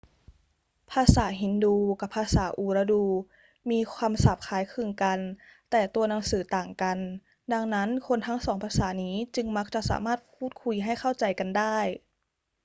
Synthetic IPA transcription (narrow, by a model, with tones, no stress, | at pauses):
pʰaː˧saː˩˦ɦi˨˦nduː˧ka˨˧˩pʰaː˧saː˩˦ʔuː˨˩ɾa˧duː˧ | miː˧kʰwaː˧msa˨˩p̚kʰaː˨˩˦jkʰɯ˧nka˧nt̪ɛː˨˩t̪u˧ɐna˨˦ŋsɯː˩˦t̪aː˨˩ŋka˨n | da˧ŋna˦˥nkʰo˧nt̪ʰa˦˥ŋsɔː˩˦ŋpʰaː˧saː˩˦niː˦˥t͡ɕɯ˧ŋma˦˥k̚t͡ɕa˧˩ʔsa̰ː˩˦maː˥˩t̪̚pʰuː˥˩t̪̚kʰu˧jɦa˥˩jkʰa˥˩wt͡ɕa˧˩jka˨ndaː˥˩j